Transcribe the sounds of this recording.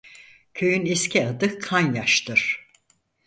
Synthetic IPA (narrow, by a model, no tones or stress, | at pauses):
cʰøjyniscʰiad̪ɯkʰanjaʃt̪ʰɯɾ̥